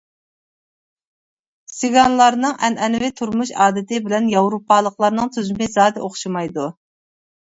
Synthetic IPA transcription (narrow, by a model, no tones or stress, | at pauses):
sɪɡɑnlˠɑɾnɨŋʔɛnɛnvɪt̪ʰuɾmuʃɑːd̪ɪt̪ʰɪbɪlɛnjɑwɾupʰːɑːlˠəqlˠɑɾnɨŋt̪ʰyzymɪzɑːd̪ɛʔoχʃimɑjd̪u